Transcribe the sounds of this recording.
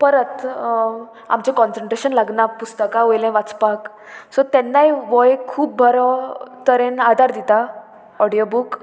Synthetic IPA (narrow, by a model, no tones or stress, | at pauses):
pəɾət̪ | a̰mt͡ɕẽkɔnsəɳʈɾeɕənlaɡnapust̪əkãojlɛ̃ʋat͡spak | sɔt̪ɛnːaiʋɔjkʰuːp̚bʱəɾɔt̪əɾẽnad̪ʱaɾd̪it̪a | ɔɽijobuk